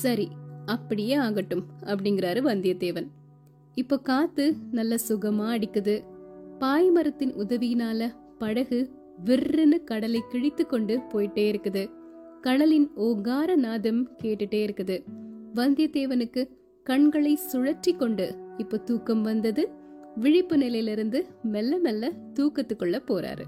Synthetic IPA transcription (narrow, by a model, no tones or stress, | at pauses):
sɐɾiɐpːɐɽɪjeːaːɣɐʈːɯmɐpːɐɽɪŋɡɪɾaːɾɯʋɐnd̪ɪjɐd̪eːʋɐn | ɪpːoːkaːt̪ːɯnɐlːɐsʊɣɐmaːɐɽɪkːɯðɯpaːjmɐɾɐt̪ːɪnʊðɐʋɪjɪnaːlɐ | pɐɽɐɣɯ | ʋɪrːɪnɯkɐɽɐlɐɪkɪɻɪt̪ːɯkːɔɳɖɯpoːjɪʈːeːɪɾɯkːɯðɯ | kɐɽɐlɪnoːɣaːɾɐnaːðɐmkeːʈːɯʈːeːɪɾɯkːɯðɯʋɐnd̪ɪjɐd̪eːʋɐnɯkːɯ | kɐɳɡɐɭɐɪsʊɻɐʈrikːɔɳɖɯɪpːoːt̪uːkːɐmʋɐnd̪ɐðɯʋɪɻɪpːɯnɪlɐjɪlɪɾɯnd̪ɯmɛlːɐmɛlːɐt̪uːkɐt̪ːɯkːɔɭːɐpːoːɾa̰ːɾɯ̰